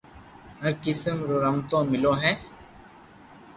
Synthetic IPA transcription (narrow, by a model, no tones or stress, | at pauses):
əɾkɪsəmɾoːɾəmt̪õːmɪlõːɦɛː